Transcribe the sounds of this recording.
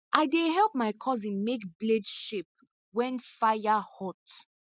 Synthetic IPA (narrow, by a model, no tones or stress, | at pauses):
ʔaɪdeɦɛlˠp̚maɪkʰɔzĩnmekbledʃip̚ | wɛ̃nfajahɔt